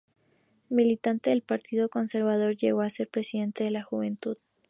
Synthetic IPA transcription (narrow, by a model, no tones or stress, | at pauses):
milit̪ant̪e̞ðe̞lpaɾt̪iðo̞ko̞nse̞ɾβað̞o̞ɾʝe̞ɣo̞ase̞ɾpɾe̞siðe̞nt̪eðe̞laxuβe̞nt̪uð